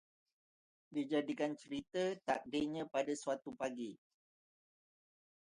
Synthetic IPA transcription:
did͡ʒadikant͡ʃəɾit̪ət̪a̰k̚deɲãpadaswat̪upaɡi

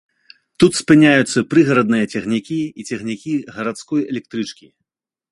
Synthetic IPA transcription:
t̪ut̪spɨnʲajut̪sːɐpɾɨɣɐɾɐd̪nɨjɐt͡sʲɐɣnʲikʲiit͡sʲɛɣnʲikʲiɣɐɾat̪skɔjɛlʲɛk̚t̪ɾɨt͡ʂkʲi

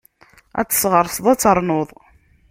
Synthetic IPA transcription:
æ̰t͡sːə̥sʁəɾˤsðˤæt͡sːəɾˤnʊðˤ

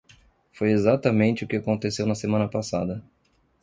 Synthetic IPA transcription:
fojezat̪ɐmẽnt͡ʃɪʊkɪakõnt̪esewnɐsemɐ̃nɐpasad̪ɐ

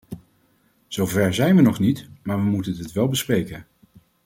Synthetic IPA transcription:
z̥owvɛɹzɛjnʋənɔχnitmaːɹʋəmutəndɪtʋɛlˠbəsprejkən

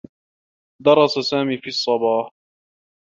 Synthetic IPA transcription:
d̪ɑɾˤɑsasaːmiːfiːɑsˤːɑbɑːh

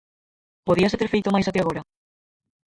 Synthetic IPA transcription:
poðiɐset̪eɾfejt̪omajsat̪eaɣoɾɐ

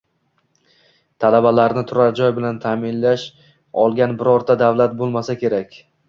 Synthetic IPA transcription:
t̪ʰalabalaɾnɪt̪ʰʊɾaɾd͡ʒɒjbɪlant̪ʰaːmɪnlaʃ | ɒlˠɡʲanbɪɾɒɾt̪ʰad̪avlat̪̚bolˠmasakʲʰe̞ɾakʲ

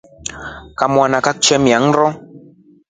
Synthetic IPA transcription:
kamwanakak̚t͡ʃɛmiaŋɾɔ

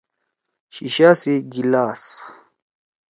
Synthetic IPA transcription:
ɕiɕaːsiɡilaːs

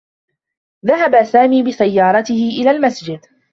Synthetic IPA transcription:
ðaɦabasaːmiːbɪsajːɑːɾˤɑt̪ɪhɪʔɪlaːlmasd͡ʒɪd̪

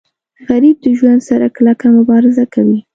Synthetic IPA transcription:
ɣaɾib̚d̪əʒwand̪saɾaklakamʊbɑɾɪzakawi

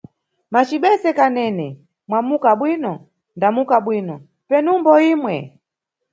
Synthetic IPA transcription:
mat͡ʃiɓɛsɛkanɛnɛ | mwamukaɓwinɔ | ndamukaɓwiːnɔ | pɛnumbɔiːmwɛ̰

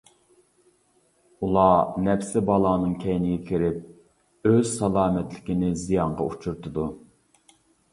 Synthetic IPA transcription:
ulˠɑnɛpsɪbɑlˠɑːnɨŋkʲʰɛjnɪɡʲɛkʲʰiɾɪp̚ | øz̥sɑlˠɑːmɛt̪lɪkʲinɪzijɑɴʁɑ̰ut͡ʃʰuɾt̪ʰɨd̪u

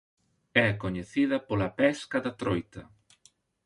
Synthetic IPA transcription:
ɛakoɲeθiðɐpolɐpɛskɐðɐt̪ɾojt̪ɐ

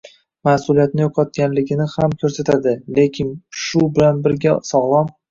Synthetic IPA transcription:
masʊlijat̪nɪjoqʰɒt̪̚kʲanlɪɡʲɪnɪhamkʲʰɵɾsat̪ʰad̪ɪle̞kʲʰɪnʃʊbɪlanbɪɾɡʲasɒʁlˠɒm

